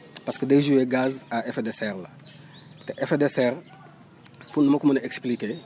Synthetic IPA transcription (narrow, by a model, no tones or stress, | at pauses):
paskəd̪ejʒueɡazaefed̪esɛɾlɐ | t̪ɛʔefed̪esɛɾ | punũmɐkumɐneksplike